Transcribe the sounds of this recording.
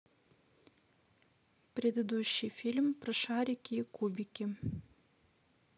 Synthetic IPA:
prʲed̪əd̪uɕːɪjfʲilʲmprəʃaɾʲikʲikubʲikʲi

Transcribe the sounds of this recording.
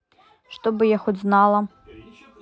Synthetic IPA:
ʂt̪obɨjaxuznalˠɐ

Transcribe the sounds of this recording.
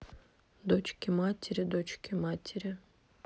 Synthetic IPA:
d̪ot͡ʃkʲimatʲɪɾʲɪd̪ot͡ʃkʲimatʲʰɪɾʲɪ

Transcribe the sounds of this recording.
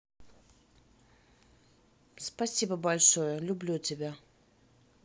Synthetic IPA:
spɐsʲibəbɐlʲʂojəlʲʊblʲutʲɪbʲa

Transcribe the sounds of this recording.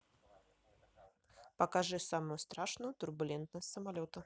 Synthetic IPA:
pɐkaʐɨsaməjʊst̪ɾaʂnʊjʊt̪ʊrbʊlʲɛnt̪nəsʲtʲsəmalʲot̪ə

